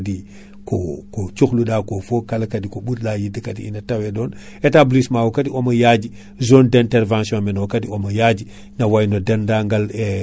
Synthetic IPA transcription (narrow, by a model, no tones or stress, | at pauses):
di | kokot͡ʃuxluɗaːkofokalkadikoɓutlajidəkatiinɐtawedoːn | etablismaːwokatiomɐjad͡ʒi | zondɛ̃ntɛɾvãnsiõmɛnwokadiomɐjad͡ʒi | nawajnodendaːŋɡale